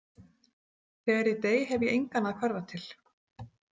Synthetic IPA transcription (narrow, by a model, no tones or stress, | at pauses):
θɛːɣaɾit̪eːjɦɛvjɛʔejŋkanaðkʰvœɾvat̪ʰɪl̥